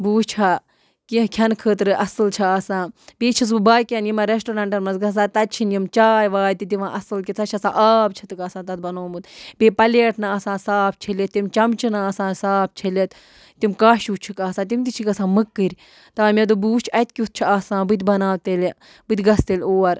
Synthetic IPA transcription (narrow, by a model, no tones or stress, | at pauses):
buːst͡ʃʰaː | kikʲʰɐnkʰəːt̪ɾɨʔɐsɨlt͡ʃʰiaːsãːbiːt͡ʃʰis̬bɨbaːjkʲɐnjimɐɾesʈoːɾaɳʈɐɾmɐnzɡɐssaːt̪ɐt̪̚t͡ʃʰinjimt͡ʃaːjʋaːjt̪it̪iʋãːʔɐsɨlkʲit̪sʰɐt͡ʃʰɐsãːʔaːb̚t͡ʃʰɐt̪ɨkaːsãːt̪ɐt̪̚bɐnoːmut̪beːpɐleːʈʰnaaːsãːsaːp̚ʰt͡ʃʰilet̪̚ːimt͡ʃɐmt͡ʃinaːsãːsaːp̚ʰt͡ʃʰilʲet̪ | t̪imkaːʃuːt͡ʃʰikaːsãːt̪imt̪it͡ʃʰikɐsãːmɨkːɨɾʲ | t̪ɐʋãːmʲed̪̬ubuːt͡ʃʰɐt̪̚ʲkʲut̪̚t͡ʃʰiaːsãːbɨt̪̬ʲbɐnaːʋt̪elʲ | bɨt̪ʲɡɐst̪elʲoːɐɾ